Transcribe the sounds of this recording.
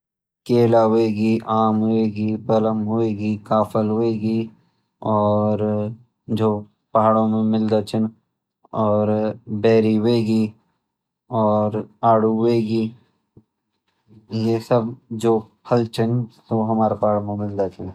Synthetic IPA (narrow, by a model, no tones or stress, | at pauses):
keːlaɦoeːɡiʔaːmɦoeːɡipɐləmɦoeːɡikaːfʰəlɦoeːɡi | ɔːɾ | d͡ʒoː | pɐɦaːɽõmẽmɪld̪at͡ʃʰən | ɔːɾbɛːɾiɦoeːɡi | ɔːɾaːɽ̤uɦoeːɡiː | jesəbd͡ʒoː | pʰəlt͡ʃʰənsoɦɐmaːɾepaɦaɽõmẽmɪld̪at͡ʃʰən